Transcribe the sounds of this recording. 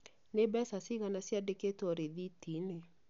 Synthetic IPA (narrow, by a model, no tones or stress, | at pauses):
nebɛsasiɣanasjadeketɔɾeðitine